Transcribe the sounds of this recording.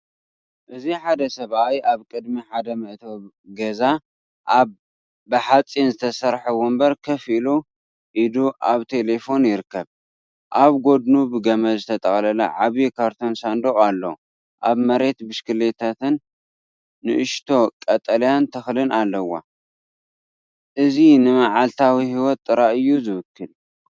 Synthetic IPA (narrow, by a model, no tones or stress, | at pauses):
ʔɨziħad̪ɐsɐβajaβkʼɨd̪miħad̪ɐmɐʔt̪ʰoβ | ɡɐza | ʔaβː | ɨħat͡sʼinzɨt̪ʰɐsɐɾħɐwombɐɾkʰɐfilu | ʔid̪uʔaβt̪ʰe̞le̞fo̞njɪɾɨkːɐβ | ʔaβɡo̞d̪nubɨɡɐmɐzɨt̪ʰɐt̪ʼɐxʼlɐlɐ̰ʕaβjikʰaɾt̪ʰo̞nsand̪oχʼalːo | ʔaβmɐɾe̞t̪bɨʃkɨle̞t̪ʰat̪ʰɨnː | ɨʔɨʃt̪ʰo̞kʼɐt̪ʼɐljant̪ʰɐxlɨnalːɐwa̰ | ʔɨzinɨmaʕalt̪ʰawihiwɔt̪ʼːɨɾaʔɨjːuzɨβɨkʰːɨl